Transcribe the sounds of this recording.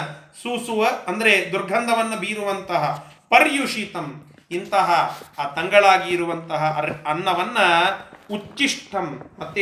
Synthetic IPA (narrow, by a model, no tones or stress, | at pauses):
suːsuʋɐːnd̪ɐɾed̪uɾɡʱɐnd̪ʱɐʋɐnːɐbiːɾuʋɐnt̪ɐɦɐ | pɐɾjuʂit̪ɐm | int̪ɐɦɐaːt̪ɐŋɡɐɭaːɡiːɾuʋɐnt̪ɐɦɐɐnːɐʋɐnːɐut͡ʃiʂʈʰɐmːɐt̪ː